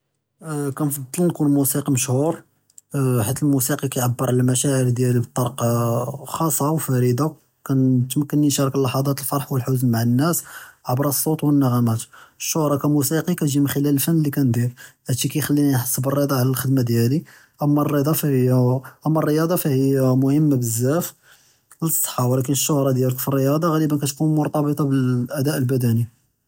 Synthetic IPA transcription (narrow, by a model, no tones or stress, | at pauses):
kænfɑd̪ˤːəlnkunlmusiqiməʃhuɾ | ħit̪ːəlmusiqikæjʕabːəɾˤʕləlmæʃæʕəɾd̪jælibət̪ˤːɑɾq | xɑsˤːɑwfæɾəd̪a | kænt̪məkːənːinʃɑɾˤɑkəlːɑħɑd̪ˤɑt̪əlfɑɾˤħwəlħʊznmaʕənːæsʕabɾˤɑsˤːot̪wənːəɣæmæt̪əʃːohɾˤɑkæmusiqikæʒimənxəlæləlfənːlːikænd̪iɾhæt̪ikæjxælːinanħɑ̥sˤːəbərˤːəd̪ˤɑʕlælxəd̪mad̪jæli | ʔəmːærˤːəd̪ˤɑfhjʔæmːærˤːəjɑd̪ˤɑfæhijːmʊhəmːabəzːæf | ləsˤːə̥ħːɑwlækənəʃːohɾˤɑd̪jæləkfirːəjɑd̪ˤɑɣæɾibænkæt̪kunmʊɾˤt̪ˤɑbət̪ˤɑbəlʔæd̪æʔəlbæd̪æni